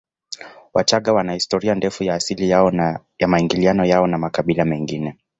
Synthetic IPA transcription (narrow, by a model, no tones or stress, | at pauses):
wat͡ʃaɠawanahistɔɾiandɛfujaːsilia | jamaiŋɡilianɔjaɔnamakaɓilamɛŋɡinɛ